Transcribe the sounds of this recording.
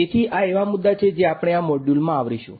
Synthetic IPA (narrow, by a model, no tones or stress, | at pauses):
et̪ʰiʔaeʋamud̪ːat͡ʃʰed͡ʒeapɽ̃eamɔɖjulmãːʋɾiʃṵ̃